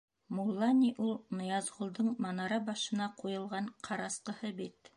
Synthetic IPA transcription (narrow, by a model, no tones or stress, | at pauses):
mulˠːɑnʲiʔulˠnŏjɑzʁŏlˠd̪ɤɴmɑnɑɾɑbɑʃɤ̆nɑqujɤ̆lˠʁɑɴqʰɑɾɑsqɤ̆hɤbit̪